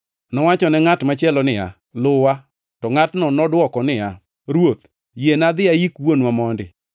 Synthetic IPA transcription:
nɔwat͡ʃɔnɛŋatmat͡ʃɛlɔnɪa̰ | lʊwa | tɔŋatnɔnɔdwɔkɔnɪja | ɾwot̪̚ | jenad̪ɪajikwonwamɔndɪ̰

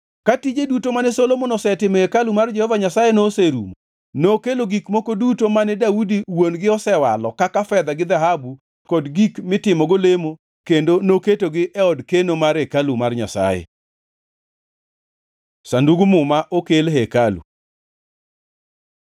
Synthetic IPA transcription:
katid͡ʒedutomanɛsolomonɔsɛtɪmhekalumard͡ʒɛhɔvaɲasajenoseɾṵmo | nokeloɡikmokodutomanɛdaudiwonɡɪɔsɛwa̰lɔkakafɛd̪aɡɪd̪aɦabu | kɔdɡikmɪtɪmɔɡolemo | kendonoketoɡɪʔɛɔdkenomaɾɛkalumarɲa̰sa̰jɛ̰ | sanduɡumʊmaʔokelɦɛkalṵ

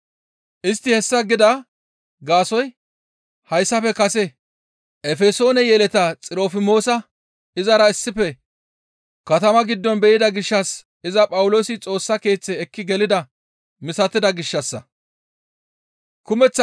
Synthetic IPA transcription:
ʔɪst̪ːɪhɛsːɐɡɪd̪ɐ | ɡaːsɔj | hɐjsːɐfɛkɐsɛ | ʔɛfɛso̞ːnɛjɛlɛt̪ɐt͡sʼɪɾo̞ːfɪmo̞ːsɐ | ɪzɐɾɐɪsːɪpːɛ | kɐt̪ɐmɐɡɪd̪ːɔnbɛʔɪd̪ɐɡɪʃːɐs | ɪzɐpʼɐwʊlo̞ːsɪt͡sʼo̞ːsːɐke̞ːt͡sːɛːkːɪɡɛlɪd̪ɐ | mɪsɐt̪ːɪd̪ɐɡɪʃːɐsːɐ | kʊmɛt͡sː

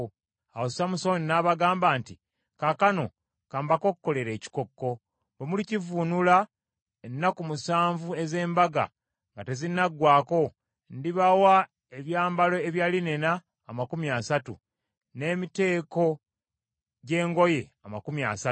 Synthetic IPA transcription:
awosamusoninaβaɡaːmbaːnti | kakano̞̰ | kaːmbako̞kukːo̞le̞ɾe̞ːci̥ko̞kːo̞ | βemulicivunula | enːakumusaːɱvue̞ze̞ːmbaɡa̰ | ŋɡate̞zinaɡwaːko̞ | ndiβawa | eβjaːmbalo̞eβjaːline̞naː | makumjasatu | ne̞ːmite̞ːko̞ | ɟe̞ːŋɡo̞je̞amakumja̰sa

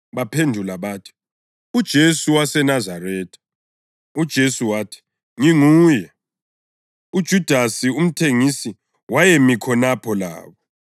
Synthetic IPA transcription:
βapʰendʱulaβaːtʰi̥ | ud̥ʒ̥ʱesuwasɛnazarɛːtʰḁ | ud̥ʒ̥ʱesuwaːtʰi̥ | ŋiŋuːjɛ | ud̥ʒ̥ʱud̥ʱasium̩tʰeŋisi | wajemikʰɔnapʰɔla̰ːβɔ

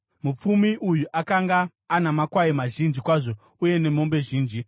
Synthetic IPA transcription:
mup͡fumiʔujuʔakaŋɡaː | namakwaimaʒind͡ʒikwaʐo̞ | uje̞ne̞mo̞mbe̞ʒiːnd͡ʒi

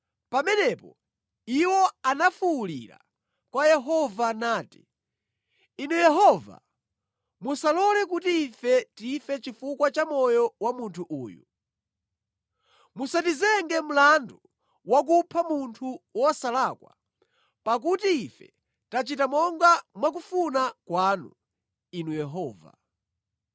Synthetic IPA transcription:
pamɛnɛpɔ̰ | iwɔanafuːlḭɾa̰ | kwajɛɦɔvanaːti̥ | inujɛɦɔva̰ | musalɔlɛkutiːfɛtifɛt͡ʃifukwat͡ʃamɔjɔwamuntʰuʔṵːjṵ | musatizɛŋɡɛm̩landu | wak̬upʰamuntʰuwɔsalakwa̰ | pak̬utiːfɛ̰ | tat͡ʃitamɔŋɡamwak̬ufunakwaːnṵ | inujɛɦɔːva̰

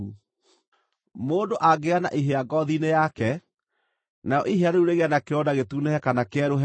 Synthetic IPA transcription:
moːdoʔaɡeana̰ʔiɦeaɡɔðinejakɛ | naɔʔiɦeaɾeuɾeɣeanakeɔdaɣetunehɛkanakɛɾoɦ

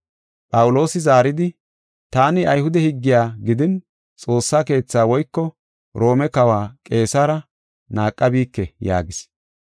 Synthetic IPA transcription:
pʼɐwʊlo̞ːsɪzaːɾɪd̪ɪ | t̪aːnɪɐjhʊd̪ɛhɪɡːɪjaːɡɪd̪ɪn | t͡sʼo̞ːsːaːke̞ːt͡sːaːwɔjkːɔ | ɾo̞ːmɛkɐwaːkʼe̞ːsaːɾɐ | naːkʼːɐbiːkːɛja̰ːɡɪs

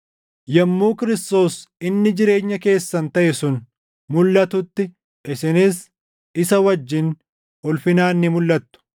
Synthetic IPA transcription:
jɛmːuːkɪɾɪst̪o̞ːsɪnːɪd͡ʒɪɾe̞ːɲːɐke̞ːsːɐnt̪ɐʔɛsʊn | mʊlːɐt̪ʊt̪ːɪ | ʔɪsɪnɪs | ɪsɐwɐd͡ʒːɪn | ʔʊlfɪnaːnːɪmʊlːɐt̪ːʊ̥

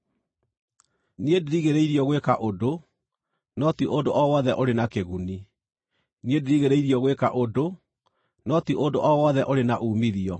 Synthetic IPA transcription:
niedeɾiɣeɾeiɾiɔɣwekaʔodo | nɔtiʔondoʔɔwɔðɛʔoɾenakeɣuni | niedeɾiɣeɾeiɾiɔɣwekaʔodo | nɔtiondoʔɔwɔðɛʔoɾenaʔuːmiðiɔ

